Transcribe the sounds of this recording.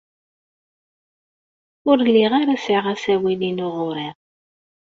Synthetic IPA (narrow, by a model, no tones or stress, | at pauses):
ʊɾlːɪʁaɾasiʁæsæwininʊʁʊɾɪʁ